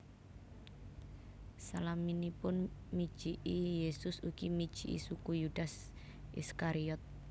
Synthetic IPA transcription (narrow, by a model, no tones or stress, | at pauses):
salaminipʊnmid̥ʒ̥iʔijesʊsukimid̥ʒ̥i̤ʔḭsukujud̥as | ʔḭskaɾiɔt̪̚